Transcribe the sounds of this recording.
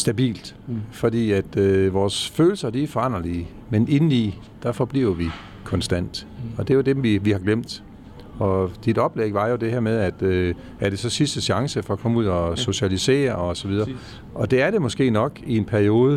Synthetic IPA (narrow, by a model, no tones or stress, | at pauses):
sd̥æb̥ḭːld̥ | fɒ̽d̥ḭːæd̥ʋɒːsføːl̩sɐd̥ifɒɑ̈n̰ʁɐliː | mene̝ni | d̥ɑfɒ̽b̥lḭːʊɐʋi | kʰɒ̽nsd̥æn̰d̥ɒ̽d̥e̝jod̥emʋiʋihɑ̈ɡ̥lem̰d̥ | ɒ̽d̥id̥ɒ̽b̥leɡ̥ʋɑ̈jo̝d̥e̝hɛɐ̰meðˠæd̥ | æɐɾ̥e̝sɒ̽sisd̥əɕɑ̈ŋsəfɒ̽ɒkʰɒ̽məuð̰ˠɒso̝ɕælise̝̰ːɐɒ̽sɒ̽ʋið̞ˠɐː | ʔɒ̽d̥e̝æɐɾ̥e̝mɒ̽sɡ̥e̝̰ːnɒ̽ɡ̥ie̝npʰæɐio̝ːð̞ˠə